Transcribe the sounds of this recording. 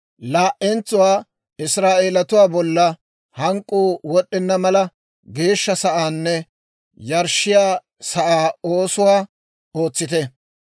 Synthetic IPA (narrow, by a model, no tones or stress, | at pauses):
laːʔɛnt͡sːʊwaː | ɪsɾaːʔe̞ːlɐt̪ʊwaːbɔlːɐ | hɐŋkʼːuːwɔɗːɪnːɐmɐlɐ | ɡe̞ːʃːɐsɐʔaːnːɛ | jɐɾʃːɪjaː | sɐʔaːo̞ːsʊwaː | o̞ːt͡sːɪt̪ɛ